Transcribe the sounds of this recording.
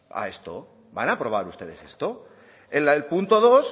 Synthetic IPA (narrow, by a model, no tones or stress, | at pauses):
a̰e̞st̪o̰ | banapɾo̞β̞aɾust̪e̞ð̞e̞̰sest̪o | elaelpunt̪o̞ð̞o̞s